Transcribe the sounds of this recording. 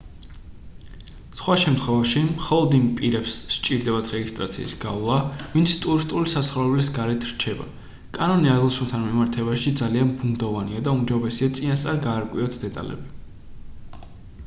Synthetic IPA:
sχwaʃɛmt̪ʰχwɛvaʃimχɔlˠɔd̪impʼiɾɛpsʃt͡ʃʼiɾd̪ɛbat̪ʰɾɛɡist̪ʼɾa̰t̪sʰḭːsɡavlˠavint̪sʰt̪ʼuɾist̪ʼulisasχavɛblisɡaɾɛt̪ʰɾt͡ʃʰɛba̰ | kʼanɔniaɾlˠʃunˠt̪ʰanmimaɾt̪ʰɛbaʃid̪zalianbund̪ɔvaniad̪aumd͡ʒabɛsiat̪sʼinast̪sʼaɾɡaːɾkʼwiɔt̪ʰd̪ɛt̪ʼa̰lɛ̰bi

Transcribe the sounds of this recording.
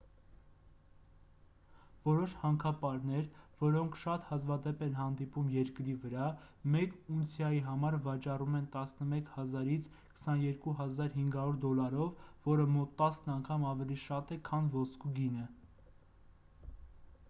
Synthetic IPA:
vɔɾɔʃhɑŋkʰɑpɑɾn̪ɛɾvɔɾɔŋkʰʃɑt̪hɑzvɑd̪ɛpɛnɦɑnd̪ipumjɛɾkɾivəɾɑmɛkunsʰjɑjiɦɑmɑɾvɑt͡ʃɑrumɛnt̪ɑsnəmɛkʰhɑzɑɾit͡sʰ | kʰə̥sɑnjɛɾkuɦɑzɑɾɦiŋɡɑɾuɾd̪ɔlɑɾɔvːɔɾəmɔt̪ːɑsnɑŋkʰɑmɑvɛliʃɑt̪ɛkʰɑnvɔskuɡinə

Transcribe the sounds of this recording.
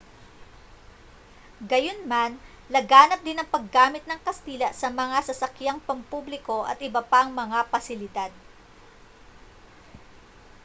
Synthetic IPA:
ɡɐjonman | lɐɡaːnɐp̚d̪ɪnɐŋpɐɡːaːmɪt̪̚nɐŋkɐst̪iːlɐʔsɐmɐŋasɐsɐkjaŋpɐmpublɪko̞ʔɐ̰t̪ɪbɐpaŋmɐŋapɐsɪlɪd̪ad̪̚

